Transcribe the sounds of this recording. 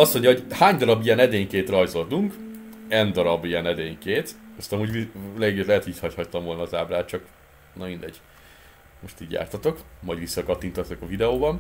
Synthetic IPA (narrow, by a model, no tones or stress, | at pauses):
ɒsːo̞ɲɟɒɦo̞ɟhaːɲd̪ɒɾɒbiɛnɛd̪eːɲkeːt̪rɒjzo̞ld̪uŋk | ɛnd̪ɒɾɒbijɛnɛd̪eːɲkeːt̪ɒst̪ɒmuɟvileːɡlɛɦɛt̪hoit̪hɒchɒct̪ɒmvo̞lnɒːzaːblaːt̪̚t͡ʃɒk | nɒmind̪ɛɟ̥ | mo̞ʃt̪iːɟja̰ːrt̪ɒt̪o̞kmɒɟʋisːɒkɒt̪ːint̪ozɛkɒvid̪ɛoːbɒn